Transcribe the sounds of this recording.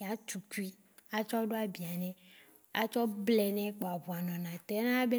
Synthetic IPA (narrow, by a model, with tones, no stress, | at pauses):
a˨t͡ʃu˨ku˦i˦ | a˦t͡ʃɔ˦ɖo˦a˦bi˨a˨nɛ̃˦ | a̰˦t͡ʃɔ˦blɛ˨nɛ̃˦k͡po˨a˨bo˨a˨nɔ̃˨nã˨t̪ɛ˦nã˦be˦